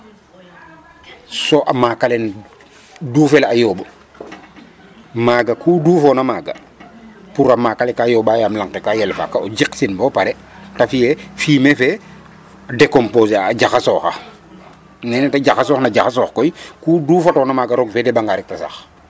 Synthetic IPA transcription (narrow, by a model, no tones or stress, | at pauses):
soʔamaːkalen | dufelajoːb | maːɡakʰuːduːfɔnamaːɡa̰ | puɾamaːkalɛkajɔːbajaːmlaŋtekajɛlfa̰kaod͡ʒiksinbopaɾɛ | tafijɛfiːmefɛ | adekompoːsaːɟaxasɔːxa̰ | nɛːnɛtaɟaxasɔːxnaɟaxasɔːxkɔjkuːduːfatɔnamaːɡaɾɔɡfɛdɛbaŋɡaɾɛk̚tasa̰x